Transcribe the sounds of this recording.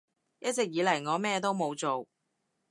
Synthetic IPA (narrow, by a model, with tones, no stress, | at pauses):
jɐ˥t̚t͡sɪ˨k̚jiː˨˧lɐ˨˩jŋɔː˨˧mɛː˥˧t̪o˥wmo˨˧wt͡so˨w